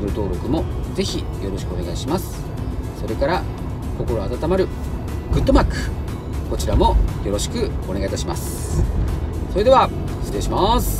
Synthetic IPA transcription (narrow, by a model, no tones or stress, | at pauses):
ɯɾɯ̟t̪o̞ːɾo̞kɯ̟mo̞ze̞çi | jo̞ɾo̞ɕi̥kɯo̞ne̞ɡaiɕimasɨ̥ | so̞ɾe̞kaɾa | ko̞ko̞ɾo̞at̪at̪amaɾɯ̟ | ɡ̥ɯ̟t̪ːo̞makɯ̟ | ko̞t͡ɕiɾamo̞jo̞ɾo̞ɕi̥kɯ̟o̞ne̞ɡait̪aɕimasɨ̥ | so̞ɾe̞d̪e̞βa | sɨ̥ɾe̞ːɕimaːsɨ̥